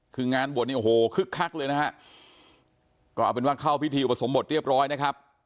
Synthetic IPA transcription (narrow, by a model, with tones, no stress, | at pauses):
kʰɯː˧ŋaː˧nbət̚niː˥˩o˨˩hoː˨˩˦kʰɯ˦˥˩kʰːa˦˥˩k̚lɤː˧jna˦˥hʰa˦˥ʔ | kɔː˥˩ʔa˨˧˩pe˧nwaː˥˩kʰaː˥˩wpʰi˦˥t̪ʰiː˧ʔu˨˩pːa˧so˩˦mbo˨˩t̪̚ɾi˥˩p̚ɾɔː˦˥jna˦˥kʰa˦˥p̚